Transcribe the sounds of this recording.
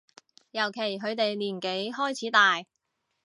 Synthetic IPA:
jɐ˨˩wkʰe˨˩jkɵ˨˧ɥt̪e˨jliː˨˩nke˨˥jhɔː˥jt͡sʰiː˨˥t̪aː˨j

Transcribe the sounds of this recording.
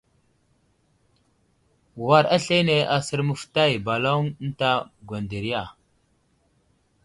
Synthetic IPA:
wa˨ɾa˦ɬe˦ne˨ʔa˨sə˨ɾmə˨fta˦jba˨lo˦n˦n˦ta˦ɡwa˨nde˨ɾi˦ja˨

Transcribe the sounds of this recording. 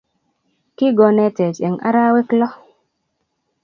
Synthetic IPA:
ki˦ɡɔ˧nɛ˨tɛ˨t͡ʃɛ˨ŋʔa̰˦ɾa˦we˦klɔ˦

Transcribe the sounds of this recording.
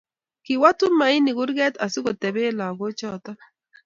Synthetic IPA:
kɪ˨wa˦tʊ˦ma˨i˦nɪ˨ɡʊ˦ɾɡɛ˦t̪a˨sʊ˦ɡo˨tɛ˨be˦la˨ɡo˦t͡ʃɔ˦˨t̪a˦

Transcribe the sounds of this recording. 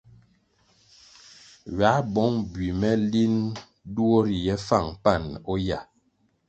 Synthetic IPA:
ɥa˨˦bɔ˨˦ŋbɥi˨mɛ˦li˦n | du˦o˦ɾi˨jɛ˦fa˦˨ŋpa˦˨nɔ˦ja˨

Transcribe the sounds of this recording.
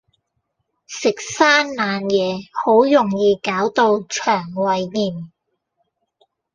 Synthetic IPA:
sɪ˨k̚saː˥nːaː˨˧njɛː˨˧ho˨˥wjʊ˨˩ŋjiː˧kaː˨˥wt̪o˧wt͡ʃʰœː˨˩ŋwɐ˨˧jːiː˨˩m

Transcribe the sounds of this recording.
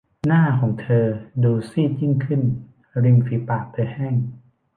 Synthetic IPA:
naː˥˩kʰɔː˩˦ŋt̪ʰɤː˧duː˧siː˧˥˩t͡ɕi˧˥˩ŋkʰɯ˧˥˨n | ɾi˧ŋfiː˨˦pa˧˩ʔt̪ʰɤː˧hɛː˥˩˨ŋ

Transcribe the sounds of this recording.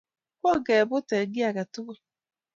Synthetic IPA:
kʷɔ˦ɡe˨bʊ˦te˨ɡɪ˦a˨ɡa˨tʊ˦ke˦

